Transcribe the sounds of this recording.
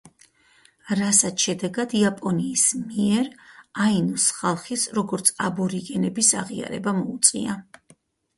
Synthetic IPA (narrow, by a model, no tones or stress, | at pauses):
ɾasat̪ʃɛd̪ɛɡad̪iapʼɔniːsmiɛɾainusχalˠχisɾɔɡɔɾt̪sʰabɔɾiɡɛnɛbisaʁia̰ɾɛ̰bamɔut̪sʼḭa